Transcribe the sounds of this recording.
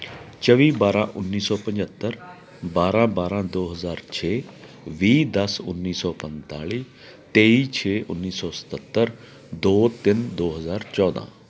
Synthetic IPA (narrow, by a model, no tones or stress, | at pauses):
t͡ʃəʋiːbaːɾãːʔʊnːiːsɔːpə̃ɲd͡ʒət̪ːəɾ | baːɾãːbaːɾãːd̪oːɦəzaːɾt͡ʃʰeː | ʋiːd̪əsʊ̰nːiːsɔːpə̃nt̪aːɭiː | t̪eːiːt͡ʃʰeːʔʊnːiːsɔːsə̥t̪ət̪ːəɾ | d̪oːt̪ɪnd̪oːɦəzaːɾt͡ʃɔːd̪ã̰ː